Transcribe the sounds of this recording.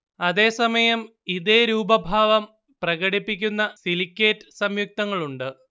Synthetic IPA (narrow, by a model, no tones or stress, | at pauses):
ɐðe̞ːsɐmɐjɐm | iðeːɾuːbɐbʱaːʋɐm | prɐɣɐɽipːikʲːunːɐsilikʲːeːtːɨ̥sɐmjuk̚t̪ɐŋːɐɭuɳɖɨ